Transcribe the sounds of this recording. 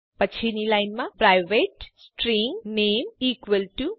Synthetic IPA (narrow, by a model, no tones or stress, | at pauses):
pɐt͡ʃʰːinilɐjnmãpɾajʋeːʈsʈɾiːŋneːmiːkʋəlʈu